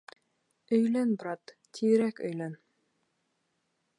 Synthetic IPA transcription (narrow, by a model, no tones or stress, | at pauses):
ɵ̆jlænbɾɑt̪ːʰiɾækɵ̰̆jlæn